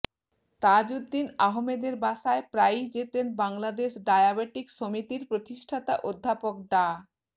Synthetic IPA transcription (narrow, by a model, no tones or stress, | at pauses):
t̪ad͡ʑud̪ːinaɦomed̪eɾbaʃaepɾajd͡ʑet̪enbaŋlad̪eʃɖajabeʈikʃomit̪iɾpɾot̪iʃʈʰat̪aʔod̪ʱːapok̚ɖ̪a